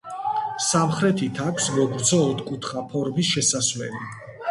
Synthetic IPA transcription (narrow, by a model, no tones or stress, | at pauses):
samχɾɛt̪ʰit̪ʰakʰsmɔɡɾd̪zɔːt̪ʰkʼut̪ʰχapʰɔɾmisʃɛsasmɛ̰li